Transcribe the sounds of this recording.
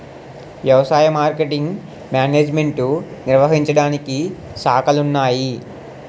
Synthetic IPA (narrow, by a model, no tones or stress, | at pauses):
ʋjɐʋɐsaːjɐmaːɾkeʈiŋɡ | mjaːneːd͡ʒme̞ɳʈuniɾʋɐɦiɲt͡ʃɐɽaːnikisaːkɐlunːaːji